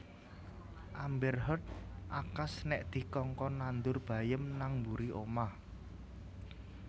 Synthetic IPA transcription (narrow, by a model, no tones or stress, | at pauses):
ʔambɛrɦɔt̪̚ʔakasnɛʔd̪̥i̤kɔŋkɔnand̪ʊrb̥ä̤jəmnaŋmbuɾiʔoma